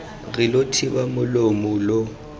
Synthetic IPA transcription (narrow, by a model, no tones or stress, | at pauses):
ɣɪlotʰɪbamʊlomʊlo